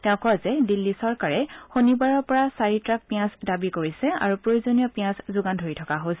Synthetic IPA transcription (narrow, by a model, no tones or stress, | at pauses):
tɛ̃ʊ̃kɔwazɛdilːisɔɹkaɹɛxonibaɹɔɹpɔɹasaɹitɹak̚pijãsdabikoɹisɛa̰ɹupɹojozonijɔpijãszʊɡandʱoɹitʰɔkaɦojsɛ